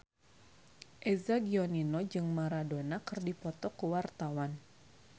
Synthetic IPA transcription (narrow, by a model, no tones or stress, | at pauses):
ʔezaɡioninod͡ʒɨŋmaɾadonakɨrdipɔt̪ɔkuwart̪awan